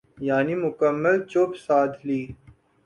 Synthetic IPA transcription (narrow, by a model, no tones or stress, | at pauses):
jaːnimʊkəmːəlt͡ʃopsaːd̪ʱliː